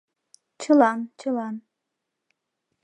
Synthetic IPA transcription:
t͡ɕʰəlant͡ɕʰəlan

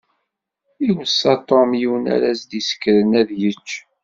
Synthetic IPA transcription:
iwsɑt̪ˤomjiwnæ̰ɾæsd̪isə̥kːɾənæðjət͡ʃː

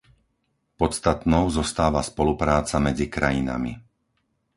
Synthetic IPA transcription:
pɔt̪st̪at̪nɔʊzɔst̪aːʋaspɔlupɾaːt͡samɛd͡zikɾajina̰mḭ

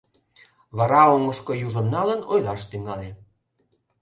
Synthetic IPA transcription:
βɑɾɑoŋəʃkɤ̆juʒə̆mnɑlənojlɑʃt̪yŋɑle

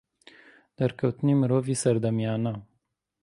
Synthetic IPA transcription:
d̪̥aɾkəwt̪nimɾovisəɾd̪amjana

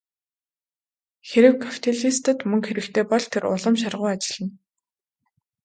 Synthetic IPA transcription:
xeɾɘ̆wkʰḁpʰi̥t̪ʰeɮist̪ə̆t̪mɵŋkxeɾɘ̆kt̪ʰeːpɔɮt̪ʰeɾʊ̰ɮə̆mʃ̬arʁʊːat͡ɕɪ̆ɮɘ̆n

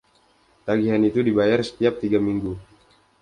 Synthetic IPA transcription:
t̪aɡiɦanit̪udibajarsə̥t̪iap̚t̪iɡamiŋɡu

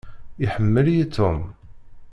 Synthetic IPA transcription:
ɪħəmːəljit̪ʰːʊm

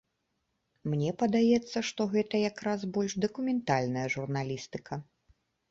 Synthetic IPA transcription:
mnʲɛpɐd̪ajɛt̪sːɐʂt̪ɔɣɛt̪ɐjakɾazbɔlʲʂd̪ɐkumʲɛnt̪alʲnɐjɐʐurnalʲist̪ɨkʰɐ

